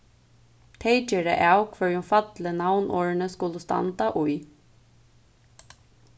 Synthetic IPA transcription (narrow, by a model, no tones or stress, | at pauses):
t̪ʰeɪt͡ʃɛːɾɛ̰ʔawkʰʋœɹjʊmfɑt̪lənawnʔɔːɹɪnəskʊləst̪ɑ̰nt̪aʔʊj